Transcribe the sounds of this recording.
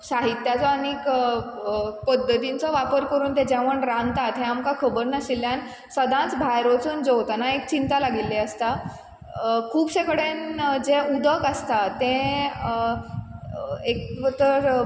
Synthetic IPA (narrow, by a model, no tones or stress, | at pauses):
saɦit̪ːjat͡sɔanik | pəd̪ʱːət̪int͡sɔʋapəɾkəɾuːnt̪ɛ̃d͡ʑɛʋəɳɾãnt̪at̪ɦẽamkakʰəbəɾnaɕilːjan | səd̪ʱãt͡sbʱajɾot͡suːnd͡zoʋt̪anaek̚t͡ɕint̪alaɡilːeəst̪a | kʰuːbɕekəɽend͡zeud̪əkast̪at̪ẽ | ekt̪əɾ